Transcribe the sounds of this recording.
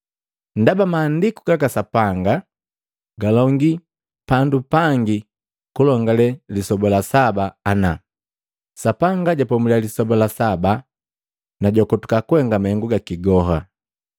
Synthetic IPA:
ndabamaːndikuɡakasapaŋɡa | ɡalɔŋɡi | pandupaŋɡi | kulɔŋɡalɛlisɔbɔlasabaːna | sapaŋɡaɟapɔmulialisɔbɔlasaba | naɟɔkɔtu̥kakuwɛŋɡamahɛŋɡuɡakiɡɔɦa

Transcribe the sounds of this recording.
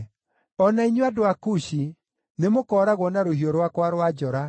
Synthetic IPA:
ɔnaiɲoadoakuɕi | nemokɔːɾaɣwɔnaɾohɦiɔɾwakwaɾwad͡ʒɔɾa

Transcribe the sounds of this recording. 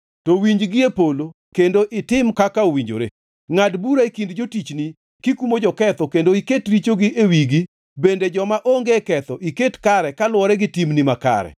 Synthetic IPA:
tɔwiɲd͡ʒɡɪepolo | kendoʔɪtɪmkakaowiɲd͡ʒo̰ɾḛ | ŋadbuɾaekindd͡ʒotit͡ʃni | kikumod͡ʒɔkɛt̪ɔkendoiketɾit͡ʃoɡɪʔewiɡi | bended͡ʒɔmaʔoŋɡekɛt̪ɔʔiketkaɾɛkalʊwɔɾɛɡɪtimnimaka̰ɾɛ̰

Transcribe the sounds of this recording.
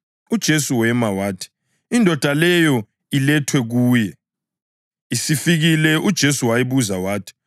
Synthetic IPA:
ud̥ʒ̥ʱesuwɛmawaːtʰi̥ | indʱɔd̥ʱalɛjɔ | ilɛtʰwɛɣuːjɛ | isifiɣilɛʔud̥ʒ̥ʱesuwajiβuzawaːtʰi̥

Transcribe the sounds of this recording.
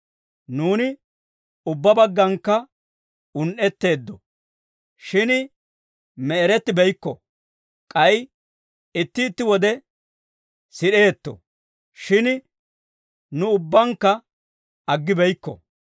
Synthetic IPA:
nuːnɪ | ʊbːɐbɐɡːɐŋkːɐ | ʊnʔɛt̪ːe̞ːd̪ːɔ | ʃɪn | mɛɛɾɛt̪ːɪbɛjkːɔ̰ | kʼɐj | ɪt̪ːɪːt̪ːɪwɔd̪ɛ | sɪɗe̞ːt̪ːɔ̰ | ʃɪn | nʊʊbːɐŋkːɐ | ɐɡːɪbɛjkːɔ̰

